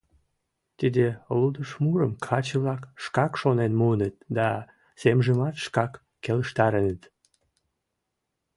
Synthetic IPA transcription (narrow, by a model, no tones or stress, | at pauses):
t̪əd̪elud̪əʃmuɾəmkʰɑt͡ɕəβlɑkʃkɑkʃonenmuənət̪̚d̪ɑ | semʒəmɑt̪ʃkɑkːeləʃt̪ɑɾənət̪